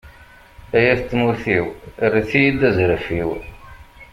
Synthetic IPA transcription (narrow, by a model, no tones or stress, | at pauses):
æjæθt͡s̪ːmuɾθiwrːiθijid̪æzɾəfiw